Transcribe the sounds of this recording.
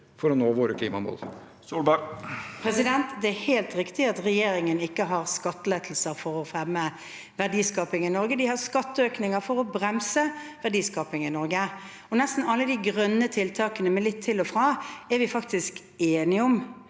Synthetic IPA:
fɔɾɔnoːʋoːɾəkʰliːmɑmɔ̰l | suːlbpʰɾɛsɪd̪ɛnt̪d̪ɛæɾheːlt̪ɾɪkt̪ɪɑt̪ʁɛjeːɾɪŋənɪkːəɦɑʁskɑt̪ːəlet̪ʰl̩səɾfɔɾɔfæmə | ʋæʁd̪iːskɑːpɪŋɪnɔɾɡəd̪ɪhɑʁskɑt̪ːəøːknɪŋəfɔɾɔbɾɛmsəʋæʁɖ̪iːskɑːpɪŋɪnɔɾɡə | ɔnɛst̪n̩ɑlːəd̪ɪɡʁœnːət̪ʰɪlt̪ʰɑːkənəmɛlɪt̪ʰːɪlɔfɾɑːɛɾʋɪfɑk̚t̪ɪsk | eːnɪʊm

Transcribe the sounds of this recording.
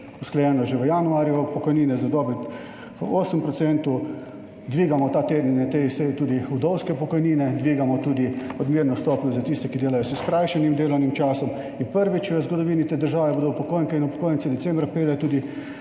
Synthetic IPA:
usklɛjɛːnɔʒeʋəjanuaːɾjupɔkɔjniːnɛzad̪ɔbɾɛt̪ | oːsəmpɾɔt̪sɛnt̪u | d̪ʋiːɡamɔt̪aːt̪eːd̪ninɛt̪eisɛjt̪uːd̪iud̪ɔwskɛpɔkɔjniːnɛd̪ʋiːɡamɔt̪uːd̪iɔd̪miːɾnɔst̪ɔpnɔzat̪ist̪ɛkid̪eːlajɔsəskɾajʃɛnimd̪eːlɔwnimt͡ʃaːsɔm | inpəɾʋit͡ʃʋəzɡɔd̪ɔʋiːnit̪eːd̪əɾʒaːʋɛboːd̪ɔwpɔkojŋkɛinupɔ̥koːjənt͡s̪ɛd̪ɛsɛːmbɾapeːlɛt̪uːd̪i

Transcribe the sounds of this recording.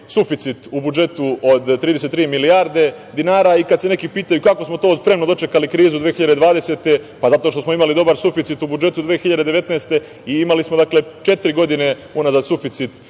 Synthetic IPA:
sufit̪sit̪ubud͡ʒe̞t̪uod̪t̪ːɾiːd̪eset̪ːɾiːmilijaɾd̪e̞ | d̪inaːɾaikad̪se̞ne̞kipiːt̪ajukako̞smot̪o̞ːspɾe̞mnod̪o̞t͡ʃekalikɾiːzud̪ʋeːxiʎad̪e̞d̪ʋaːd̪ese̞t̪e̞pazat̪oʃt̪o̞smoimalid̪o̞baɾsufit̪sit̪ubud͡ʒe̞t̪ud̪ʋeːxiʎad̪e̞d̪e̞ʋe̞t̪neːst̪e̞ | iimalismod̪akle̞t͡ʃe̞t̪ɾiɡo̞d̪ine̞ | unazad̪sufit̪sit̪

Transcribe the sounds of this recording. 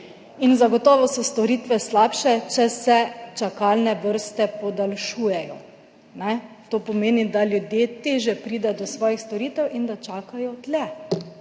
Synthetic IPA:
inzaɡɔt̪ɔːʋɔsɔst̪ɔɾiːt̪ʋɛslaːpʃɛt͡ʃɛsɛt͡ʃakalnɛʋəɾst̪ɛpɔd̪alʃuːjɛjɔ̰ | nɛ | t̪oːpɔmeːnid̪aljud̪jet̪eːʒjɛpɾiːd̪ɛd̪ɔsʋɔːjixst̪ɔɾiːt̪ɛwʔind̪at͡ʃaːkajɔd̪lɛ

